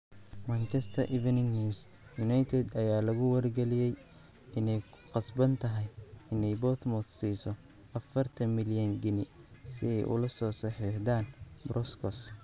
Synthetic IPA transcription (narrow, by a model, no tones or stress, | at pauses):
mɐnt͡ʃʰɐst̪ʰɐʔɪvɐnɪŋnius | jʊnajt̪ʰɛd̪ɐjaːlɐɣʊwɐrɡɛlɪjɛj | ɪnɛj | qɑsbɐnt̪ʰɐɦɛjɪnɛjbɔθmɔssiːsɔ | ʔɐfɐrt̪ʰɐmɪljɐŋɡɪnɪsɪɛjʔʊ̰lɐsɔːsɐħɛːħd̪aːnbɾɔskʰɔs